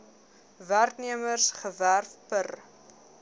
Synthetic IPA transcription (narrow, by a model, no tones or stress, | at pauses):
værkniəmərsχəværfpər